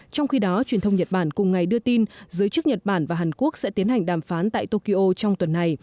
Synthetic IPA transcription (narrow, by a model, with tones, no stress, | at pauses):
t͡ɕɔ˧wŋ͡mxi˧ɗɔ˨˦t͡ɕwi˨˩ənt̪ʰwŋ͡mɲə˨˩t̚ɓaː˧˩nkʊ˨˩ŋ͡mŋa˨˩jɗɨ˧ət̪i˧nzɨ˨˦jt͡ɕɨ˦˥k̚ɲə˨˩t̚ɓaː˧˩nvaː˨˩ɦaː˨˩nku˦˥ək̚sɛ̰˧˥t̪i˨˦ənha˨˩jŋ̟ɗaː˧˨˩mfaː˨˦nt̪a̰ː˧˨jt̪o˧ki˧ʔo˧t͡ɕɔ˧wŋ͡mt̪wə˨˩nːa˨˩j